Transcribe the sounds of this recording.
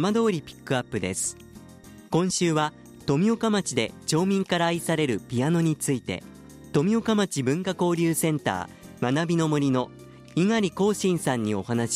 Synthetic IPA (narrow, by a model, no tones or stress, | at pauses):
mad̪o̞ːɾʲipʲi̥kːɯ̟apːɯ̟d̪e̞̰sɨ̥ | kõ̞ɰ̃ɕɨːβa | t̪o̞mʲio̞kamat͡ɕid̪e̞t͡ɕo̞ːmʲĩŋkaɾaːisaɾe̞ɾɯ̟pʲiano̞ɲ̟it͡sɨit̪e̞̰ | t̪o̞mʲio̞kamat͡ɕibɯ̟̃ŋkako̞ːɾʲɨːsẽ̞nt̪a̰ː | manabʲino̞moɾʲino̞ | iŋaɾʲiko̞ːɕĩɰ̃sãɲ̟ːio̞̰hanaɕ